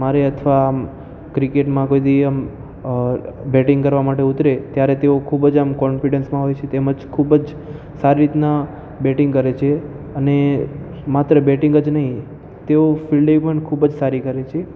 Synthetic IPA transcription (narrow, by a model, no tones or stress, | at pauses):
maɾeət̪ʰʋaːm | kɾikeʈmãkojd̪iəm | bɛʈĩŋɡkəɾʋamaʈeut̪ɾet̪jaɾet̪eokʰubəd͡ʒamkɔnfiɖənsmãɦojt͡ʃʰet̪eməd͡ʒkʰubəd͡ʒ | saɾiɾit̪na | bɛʈĩŋɡkəɾet͡ʃʰe | əne | mat̪ɾəbɛʈiŋɡəd͡ʒnəɦĩ | t̪eofilɖepəɳkʰubəd͡ʒsaɾikəɾet͡ʃʰe